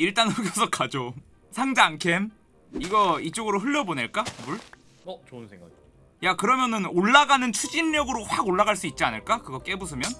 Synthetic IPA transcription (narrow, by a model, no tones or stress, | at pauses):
iɭt͈anɯɡjʌsʰʌk͈ʰad͡ʑo | sʰaŋd͡ʑaŋkʰe̞m | iɡʌit͡ɕ͈oɡɯɾoɦɯɭːʌboneɭk͈abuɭ | onsʰeŋɡa̰ | jakɯɾʌmjʌnɯnoɭːaɡanɯnt͡ɕʰud͡ʑinːʌɡɯɾoɸwaɡoɭːaɣaɭs͈uit̚t͡ɕ͈ianɯɭk͈akɯɡʌk͈e̞bus̬ʰɯmjʌn